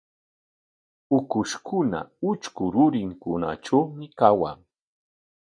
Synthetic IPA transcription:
ʊkʊʃkʰʊna̰ʊt͡ʃkʊɾʊɾɪŋkʊna̰ʈ͡ʂawmɪkawa̰

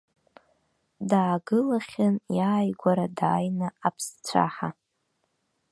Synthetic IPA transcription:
daːɡɨlaχʲanjaːjɡʷaɾadaːjnaapʰst͡sʷʰa̰ħa

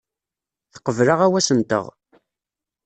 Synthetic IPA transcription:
θə̥qːəvləʁæwæsənt̪ə̰ʁ

